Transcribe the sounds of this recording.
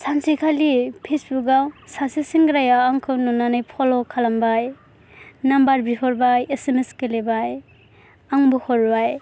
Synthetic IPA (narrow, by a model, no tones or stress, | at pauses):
sʰansikʰalipʰesbuk̚ɡawsasisiŋɡɾajaaŋkʰɯwnɔnanajpʰɔlɔkʰalambaj | nambaɾbihʰɔɾbajeseneskelebaj | aŋbɔhɔɾbaj